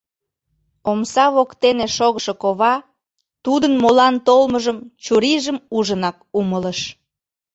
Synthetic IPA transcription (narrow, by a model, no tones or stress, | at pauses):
omsɑβokt̪eneʃoɣəʃokoβɑ | t̪ud̪ənmolɑnt̪olməʒəmt͡ɕuɾiʒəmuʒənɑkumələʃ